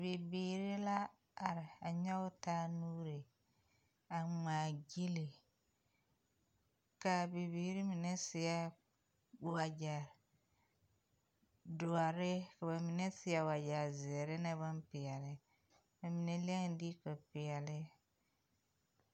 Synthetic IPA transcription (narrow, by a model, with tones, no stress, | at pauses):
bi˨biː˨ɾi˦la˦ | a˨ɾɪ˨a˨ɲɔ˦ɡʊ˦taː˦nuː˦ɾe˨ | a˨maː˨ɡi˦li˨ | ka˨bi˨biː˨ɾi˦mi˨ne˦sɪ˨ja˦ | wa˨d͡ʒa˨ɾ | dʊ˨a˨ɾɪ˦ka˨ba˨mi˨ne˦sɪ˨˦a˨wa˨d͡ʒa˨ɾzɪ˨ɾɪ˦na˦ba˦npɪ˨ja˨lɪ˦ | ba˨mi˨ne˦le˦ŋ˨di˦ka˨pɪ˨ɛ˨lɪ˦